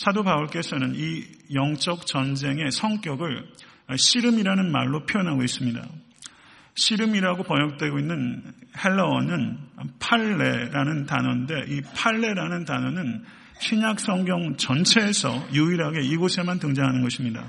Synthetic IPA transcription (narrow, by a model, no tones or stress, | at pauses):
sʰadobauɭk͈e̞sʰʌnɯnijʌŋt͡ɕ͈ʌk̚t͡ɕʌnd͡ʑe̞ŋe̞sʰʌŋk͈jʌɡɯɭ | ɕʰiɾɯmiɾanɯnma̰ɭːopʰijʌnɦaɡois͈ɯmɲida̰ | ɕʰiɾɯmiɾaɡopʌɲʌk̚t͈we̞ɡoinːɯnhe̞ɭːʌʌnɯnpʰaɭːe̞ɾanɯntanʌnde̞ʔipʰaɭːe̞ɾanɯntanʌnɯn | ɕʰiɲak̚s͈ʌŋɡjʌŋt͡ɕʌnt͡ɕʰe̞ːsʰʌ̰juiɾɦaɡe̞iɡosʰemantɯŋd͡ʑaŋɦanɯnɡʌɕʰimɲida̰